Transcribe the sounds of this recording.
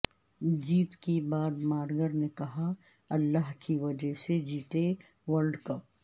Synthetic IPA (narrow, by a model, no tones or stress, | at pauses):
d͡ʒiːt̪kibaːd̪maːɾɡəɾnekɐɦa | ɐlːaɦkiʋɐd͡ʒəɦsed͡ʒiːt̪e | ʋɐɾɖkɐp̚